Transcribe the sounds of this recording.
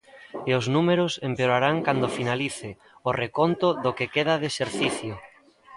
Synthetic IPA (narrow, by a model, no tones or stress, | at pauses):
eʊznumeɾʊsempeoɾaɾaŋkand̪ofinaliθɪ | orekont̪ʊðokekeðaðeseɾθiθjo